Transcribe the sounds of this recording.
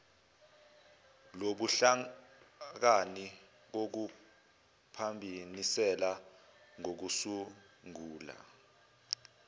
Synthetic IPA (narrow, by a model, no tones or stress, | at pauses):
loɓuɬa | k̬ani | k̬ok̬u | pʰambʱinisɛlaŋok̬usuŋuːla̰